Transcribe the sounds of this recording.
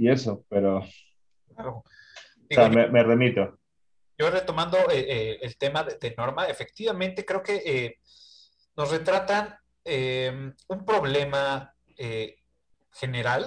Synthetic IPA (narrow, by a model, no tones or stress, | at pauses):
ie̞sopeɾo | klaɾo | diɣaomemeremit̪o | ʝo̞re̞t̪o̞mãnd̪o̞eeelt̪e̞maðeðeno̞ɾmaefe̞k̚t̪iβamẽnt̪ekɾe̞oke̞ʔe | no̞sre̞t̪ɾat̪an | emumpɾo̞βle̞ma | e | xe̞ne̞ɾal